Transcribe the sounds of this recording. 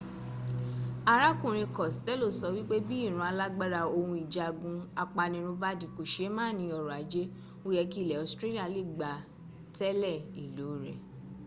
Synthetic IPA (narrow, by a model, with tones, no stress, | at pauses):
a˧ɾa˦kũ˦˨ɾ̃ĩ˧kɔ˨stɛ˦lo˦˨sɔ˧˦wi˦k͡pe˦bi˦i˦˨ɾ̃ũ˧˦a˧la˦ɡ͡ba˦ɾa˧o˧hũ˧i˨d͡ʒa˨ɡũ˧a˧k͡pa˧nĩ˧ɾ̃ũ˧ba˦di˨ko˨ʃe˨˦mãː˦˨nĩ˧˦ɔ˧˨ɾɔ˨a˨˦d͡ʒe˦ | o˦jɛ˧ki˦˨lɛ˨ɔ˧˨stɾe˦li˦a˧˨le˦˨ɡ͡ba˨ | tɛ˦lɛ˦˨i˨lo˨˦ɾɛ̰˨